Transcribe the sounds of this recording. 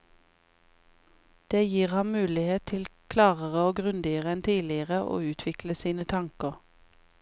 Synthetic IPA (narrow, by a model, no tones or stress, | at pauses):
d̪̥eːjiːʁhɑnmʉːlɪheːtt̪ʰɪlkʰlɑːʁəʁəoːɡʁʉnd̪ɪəʁəɛnt̪ʰiːlɪəʁəʔo̰ːʉːt̪ʰʋɪkləsiːnət̪ʰɑŋkəʁ